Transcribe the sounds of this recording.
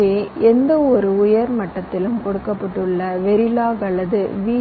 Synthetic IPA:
eːɛnd̪ɐɔɾɯʊjɐɾmɐʈːɐt̪ːɪlɯmkɔɽɯkːɐpːɐʈːɯɭːɐʋɛɾɪlaːɣɐɭːɐðɯʋiː

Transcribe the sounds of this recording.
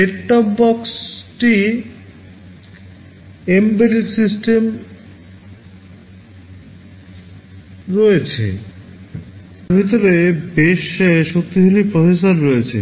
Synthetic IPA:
leʈʈɔpbɔksʈi | embeɾisisʈem | ɾɔet͡ɕʰḛ | bʱit̪oɾebeʃʃokt̪iɦilipɾofesaɾːoet͡ɕʰḛ

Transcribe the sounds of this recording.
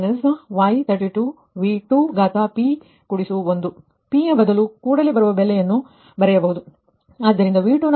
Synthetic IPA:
nɐsɐʋaːjt̪ʰɐɾʈiʈuː | ʋiːʈuːɡaːt̪aːpiː | kuɽisuond̪u | piːjɐbɐd̪ɐlukuːɽɐleːbɐɾuʋɐbɛlːɛjɐnːu | bɐɾɛjɐbɐɦud̪u | ad̪ːɐɾind̪ɐʋiːʈun

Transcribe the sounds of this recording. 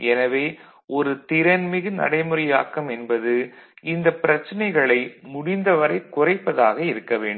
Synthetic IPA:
ɛnɐʋeː | ɔɾɯt̪ɪɾɐnmɪɣɯnɐ̰ɽɐɪmɯɾɐjaːkːɐmɛnbɐðɯɪnd̪ɐpːɪɾɐt͡ʃːɐnɐɪɣɐɭɐɪmʊɽɪnd̪ɐʋɐɾɐɪkʊrɐɪpːɐðaːɣɐɪɾɯkːɐʋeːɳɖm

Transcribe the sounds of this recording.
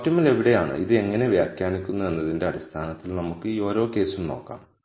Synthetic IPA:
tːɐmːɐle̞ʋiɽe̞jaːɳɨ̰ʔḭðɨe̞ŋːɐne̞ʋjaːkjaːnikʲːunːɐe̞nːɐðinde̞ɐɽist̪ʰaːnɐt̪ːilnɐmukːɨiːo̞ːɾo̞ːke̞ːsumno̞̰ːkːa̰ːm

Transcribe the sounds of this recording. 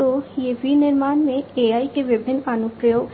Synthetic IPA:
oiebiniɾmanmeeajkebibʱinːanupɾejo

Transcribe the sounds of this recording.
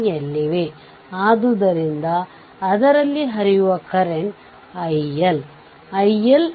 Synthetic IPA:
jelːiʋe | aːd̪ud̪ɐɾind̪ɐː | d̪ɐɾɐlːiɦɐɾijuʋɐkɐɾeɳ | ɐjel | ɐjel

